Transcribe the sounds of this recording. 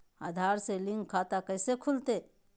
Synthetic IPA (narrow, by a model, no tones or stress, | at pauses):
aːd̪ʱaːɾselĩŋɡkʰːaːt̪akəjsekʰʊlt̪e